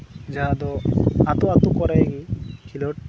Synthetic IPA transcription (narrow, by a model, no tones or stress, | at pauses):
d͡ʒaɦad̪ɔat̪uat̪ukɔɾajɡikʰilɔʈ